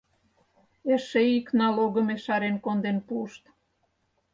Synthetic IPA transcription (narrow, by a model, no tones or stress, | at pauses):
eʃeiknɑloɣə̆meʃɑɾenkond̪enpuʃt̪